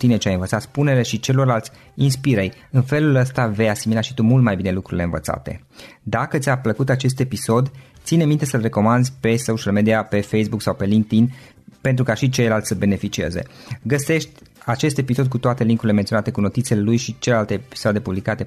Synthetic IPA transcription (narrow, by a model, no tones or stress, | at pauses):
t̪ine̞t͡ʃeajɨnvət̪sat̪spune̞ɾeʃit͡ʃe̞lo̞rlalt̪sʲ | inspiɾej | ɨnfe̞luləst̪ave̞jasimilaʃit̪umult̪majbine̞lukɾuɾile̞ɨnvə̰t̪sa̰t̪e̞̰ | d̪akət̪sʲapləkut̪at͡ʃe̞s̬t̪e̞piso̞d̪t̪sine̞mint̪e̞səlre̞ko̞mand̪zpe̞soʃialmed̪iape̞fejsbuksawpe̞liŋk̚t̪in | pe̞nt̪ɾukaʃit͡ʃe̞jlalt̪sʲsəbe̞ne̞fit͡ʃie̞̰ze̞̰ɡəse̞ʃt̪ʲ | at͡ʃe̞st̪episo̞d̪̚kut̪oat̪e̞liŋkuɾile̞ment̪ionat̪e̞kuno̞t̪it̪sele̞lujʃit͡ʃelelalt̪ei̥sad̪e̞publikat̪e̞